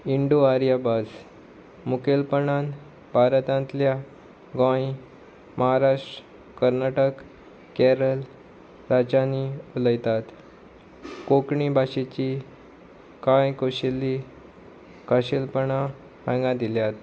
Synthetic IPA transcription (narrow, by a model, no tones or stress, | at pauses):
iɳɖuaɾjabas | mukelpəɳan | bʱaɾət̪ãnt̪lja | ɡãji | mʔəɦaɾaʂʈɾə | kəɾnaʈək | kɛɾəl | ɾad͡ʑaniuləjt̪at̪ | kokɳibʱaɕet͡ɕi | kãjkoɕelːi | kəɕelpəɳã | pãŋɡãd̪iljat̪̚